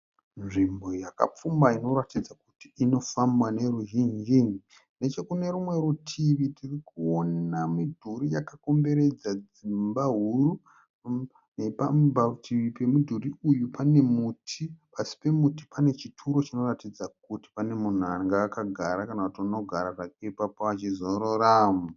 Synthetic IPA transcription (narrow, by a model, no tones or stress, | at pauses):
nʐimbo̞jaka̰p͡fumbaino̞ɾatid͡zakutiːno̞fambwane̞ruɦiɲd͡ʒini | ne̞t͡ʃe̞kune̞ɾumwe̞ɾutʰiʋitʰirikuonamidʱuɾijakako̞mbe̞ɾe̞d͡zad͡z | imbaɦuru | nepambatʰiipe̞mudʱuɾiujupane̞mutʰipasi̥pe̞muti̥pane̞t͡ʃitʰuɾo̞t͡ʃino̞ratid͡zak̚uti̥pane̞mun̤uaŋɡaːkaɡʱaɾakanakutiuno̞ɡʱa̰ɾarakepapoat͡ʃizo̞ɾo̞ɾaːmu